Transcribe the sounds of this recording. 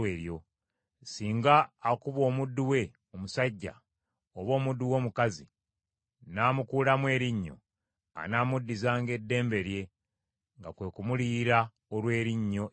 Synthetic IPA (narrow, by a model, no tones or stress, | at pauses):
eːɾjo̞ | siːŋɡaːkuβo̞ːmudːuwe̞ | omusaɟːa̰ | oβo̞ːmudːuwo̞ːmukazi | naːmukuːlamwe̞ːɾiɲːo̞̰ | a̰naːmudːizaːŋɡe̞dːe̞ːmbe̞ɾje̞ | ŋɡakwe̞ːkumuliɾa | olwe̞ːɾiɲːo̞